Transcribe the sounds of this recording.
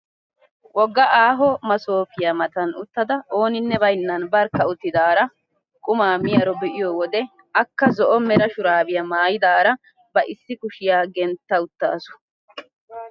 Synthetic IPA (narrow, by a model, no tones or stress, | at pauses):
wɔɡːɐʔaːɦɔmɐsoːfɪjamɐt̪ɐnʊt̪ːɐd̪ɐo̞ːnɪnːɛβɐjnːɐnbɐɾkɐʊt̪ːɪd̪aːɾɐ | kʼʊmaːmɪjɐɾɔbɛʔɪjɔwɔd̪ɛ | ɐkːɐzɔʔɔmɛɾɐʃʊɾaːbɪjɐmaːjɪd̪aːɾɐ | bɐʔɪsːɪkʊʃɪjaːɡɛnt̪ːɐʊt̪ːa̰ːsʊ̥